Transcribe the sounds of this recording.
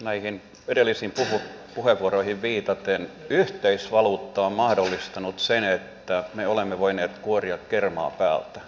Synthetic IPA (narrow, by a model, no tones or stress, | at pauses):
næihin | edelːisiːmpuhu | puheʋʋuoroihiʋʋiːt̪ɑt̪enyht̪eisʋɑluːt̪ːɑommɑhdolːist̪ɑnut̪senet̪ːæmeolemːeʋoineːt̪kuoriɑkkermɑ̰ːpæːlt̪æ